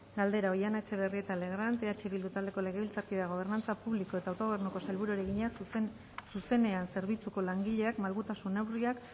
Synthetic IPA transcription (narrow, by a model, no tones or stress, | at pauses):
ɡald̪e̞ɾao̞janet͡ʃe̞βe̞rie̞t̪ale̞ɣ̞ɾant̪e̞at͡ʃeβild̪ut̪ald̪e̞ko̞le̞ɣ̞e̞βilt͡sak̪iðaɣ̞o̞β̞e̞ɾnant͡sapuβliko̞e̞t̪aːwt̪oe̞rnuko̞salβuɾuɾe̞ɣiɲa | suse̞ne̞anse̞ɾβit͡suko̞laŋɡiʎe̞akmalɣut̪asunːawriak